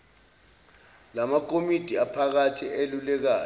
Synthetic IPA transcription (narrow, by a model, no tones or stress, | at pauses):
lamak̬ʰʼomid̥ʱiapʰak̬atʰielulɛk̬aː